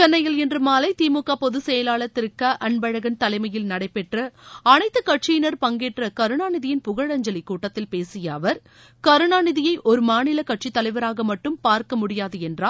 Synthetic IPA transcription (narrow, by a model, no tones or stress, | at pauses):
t͡ʃɛnːɐjɐlɛndrɯmaːlɐɪt̪iːmʊkːaːpɔðɯsɛjɐlaːlɐt̪ːɪɾɯkːɐʔɐɳbɐɻɐɣɐnt̪ɐlɐɪmɐjɪlnɐɽɐɪpːɛʈrɐɐnɐɪt̪ːɯkɐʈ̚t͡ʃɪjɪnɐɾpɐŋɡeːʈrɐkɐɾɯɳaːnɪðɪjɪnpʊɣɐɻɐɲd͡ʒɐlikːuːʈːɐt̪ːɪlpeːsɪjɐːʋɐɾ | kɐɾɯɳaːnɪðɪjɐɪʔɔɾɯmaːnɪlɐkɐʈ̚t͡ʃit̪ːɐlɐɪʋɐɾaːɣɐmɐʈːɯmpaːɾkɐmʊɽɪjaːðɯɛndraː